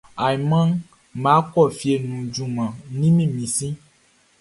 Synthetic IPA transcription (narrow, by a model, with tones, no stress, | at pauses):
a˨i˨mã˦n | mã˨˦kɔ˦˨fi˨e˨nũ˨d͡ʒu˨mã˨nĩ˦mĩ˦˨mĩ˨sĩ˦